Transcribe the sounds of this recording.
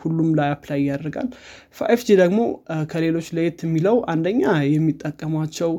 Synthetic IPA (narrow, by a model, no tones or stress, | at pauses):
hulːumlajapʰlajɪjːad̪ɾɡa̰l | fa̰ʔefd͡ʒid̪əɡmo̞kʰəle̞lo̞t͡ʃːləjet̪ɛmːiləwʔand̪əɲːajɛmːit̪ʼːəkʼːəmat͡ʃːɛw